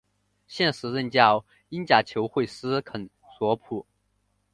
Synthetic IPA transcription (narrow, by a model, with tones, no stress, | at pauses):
ɕjɛ˥˩nʂɻ̩˧˥ɻə˥˧nt͡ɕjɑ˥˧˩ʊ | i˥nt͡ɕja˧˥˩t͡ɕʰjo˧˥ʊxwe˥˩ɪsɹ̩˥kʰə˨˩n | swɔ˧˥pʰu˨˩˦